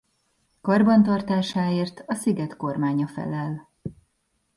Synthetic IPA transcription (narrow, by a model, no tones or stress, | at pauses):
kɒrbɒnt̪ɒrt̪aːʃaːeːrt̪ʰɒsiɡɛt̪ko̞rmaːɲɒfɛ̰lɛl